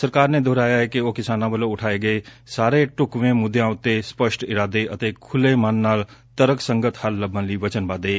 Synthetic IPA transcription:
səɾkaːɾned̪ʱoːɾaːjaɦɛkeokɪsaːnãbəloʊʈʰaːeɡɐesaːɾeʈʊkʋẽmʊd̪ʱjãːʊt̪ːespəʃʈɪɾaːd̪eʔɐt̪eːkʰʊlemaːnːaːlt̪ɐɾəksə̃ŋɡət̪həlːəbʱãliʋɐt͡ʃənbaːd̪eː

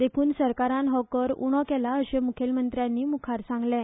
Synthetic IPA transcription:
d̪ekʰuːnsəɾkaɾãnɦɔkəɾṵɽ̃ɔkɛlaəɕemukʰelmənt̪ɾjãnːiːmukʰaɾsãŋɡlɛ̃

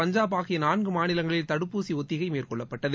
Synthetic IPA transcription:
ɐɲd͡ʒaːpaːɣɪjɐnaːnɡɯmaːnɪlɐŋɡɐɭɪlt̪ɐɽɯpːuːsiɔt̪ːɪɣɐɪmeːrkɔɭːɐpːɐʈːɐð

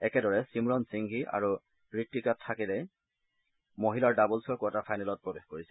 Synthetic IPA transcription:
ɛkɛdɔɹɛsimɹɔnsiŋɡʱiʔa̰ɹu | ɹitːikatʰːakilɛj | moɦilaɹdabɔlsɔɹkwtapʰajnɛlɔt̚pɹɔbexkoɹisɛ̥

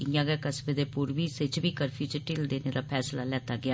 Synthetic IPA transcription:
ɪjãːɡɛːkəsbed̪eːpuɾʋiːsɪt͡ʃʋiːkəɾpʰjuːt͡ʃʈɪːld̪eːneːd̪aːpʰɛːslaːlɛːt̪aːɡɪaː

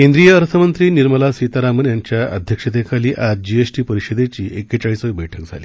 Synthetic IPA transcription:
kẽnd̪ɾijəːɾt̪ʰəmənt̪ɾiːniɾməlasit̪aɾamənjaɲt͡ɕjaʔəd̪ʱjəkʂet̪ekʰaliːʔad͡ʑd͡ʑiesʈiːpəɾiɕəd̪et͡ɕiːʔekːət͡ɕaɭisəʋiːbəjʈʰək̚d͡zʱa̰liː

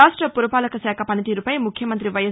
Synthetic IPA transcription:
asʈrɐpuɾɐpaːlɐkɐsaːkʰapɐnɐt̪iɾupɐjmukʰjɐmɐnt̪ɾiʋɐjɐ

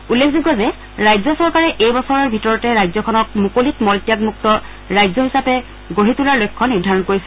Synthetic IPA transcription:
ulːekʰziɡazɛ | ɹajzɔsɔɹkaɹɛʔejbɔsɔɹɔɹbʱitɔɹɔtɛɹajzɔkʰɔnɔk̚mukolitmɔltijaɡmuk̚tɔ | ɹajzɔɦisapɛ | ɡoɦitulaɹlojkʰːɔniɹdʱaɹɔnkoɹisɛ

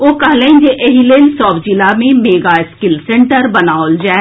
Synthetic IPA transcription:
oːkɐɦlẽd͡ʒeʔeɦileːlsɔːbd͡ʒɪlamẽmeːɡaɪskɪlsẽɳʈəɾbɐnaːold͡ʒaː

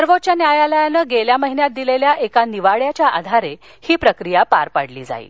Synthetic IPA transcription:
əɾʋot̪̚t͡ɕanjajaləjanəːɡeljaməɦinjat̪̚d̪ileljaʔekaniʋaɭjat͡ɕjaʔa̰d̪ʱaɾe | hiːpɾəkɾijapa̰ɾpaɽlḭːd͡za̰ḭː

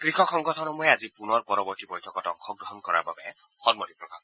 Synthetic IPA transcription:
kɹixɔkɔŋɡɔtʰɔnɔmuɛazipunɔɹpɔɹɔbɔɹtibɔjtʰɔkɔtɔ̰ŋxʰɔɡɹɔɦɔnkɔɹa̰ɹbabɛ | xɔnmɔtipɹɔbʱa̰b

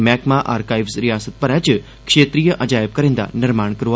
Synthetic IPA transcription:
mɛkmãʔaːɾkajʋsɾijaːsət̪̚pəɾɛt͡ʃ | kʂet̪ɾijəʔəd͡ʒajʋkəɾẽnd̪a̰nɪɾmaɳkəɾʋo

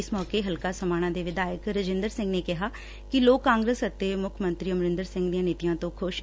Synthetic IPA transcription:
ɪsmɔːkeːɦəlkaːsəmaːñãːd̪eːʋɪd̪aːjəkɾəd͡ʒɪnd̪əɾsɪ̃ŋɡneːkɪɦaː | kɪloːkːãːŋɡɾəsət̪ːeːmʊkʰmə̃nt̪ɾiːəməɾɪ̃nd̪əɾsɪ̃ŋɡd̪ijãːneːt̪ijãːt̪õːkʰʊʃ

